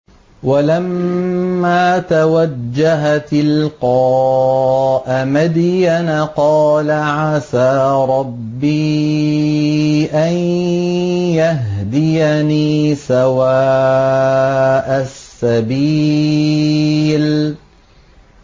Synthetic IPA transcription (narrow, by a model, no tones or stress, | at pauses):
walamː | aːt̪awad͡ʒd͡ʒːaɦat̪ɪlqɑː | ʔamad̪janqɑːlaʕasaːɾˤɑbːiː | ʔan | jaɦd̪ɪjaniːsawaː | ʔasːabiː | l